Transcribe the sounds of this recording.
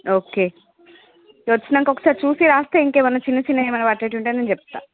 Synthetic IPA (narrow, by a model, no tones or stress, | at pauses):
oːkeː | ʋɐt͡ʃːinɐŋkɔkːɐ̥saːɾit͡ʃuːsiɾaːst̪ɐiŋkeːmɐnːɐt͡ʃinːɐt͡ʃinːɐmɐnɐʋaːʈːeːʈːuɳʈeːnent͡ʃɛp̚t̪ːa̰ː